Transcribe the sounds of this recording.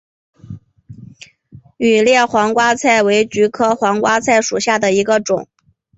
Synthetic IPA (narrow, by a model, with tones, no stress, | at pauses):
y˨˩ljɛ˥˩xwɑ˧˥ŋkwa˥t͡sʰa˥˩ɪwe˧˥ɪt͡ɕy˧˥kʰɤ˥xwɑ˧˥ŋkwa˥t͡sʰa˥˩ɪʂu˨˩ɕja˥˩d̪ə˩i˧˥ɡə˧ʈ͡ʂʊ̰˨˩˦ŋ